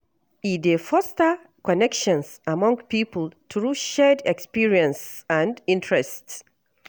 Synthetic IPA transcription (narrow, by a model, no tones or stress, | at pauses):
idefɔstə | kɔnɛkʃɔ̃nsamɔ̃ŋpipəlˠtʰɹuʃɛdɛkspiɹiə̃nsə̃ndĩntʰɹ̥ɛst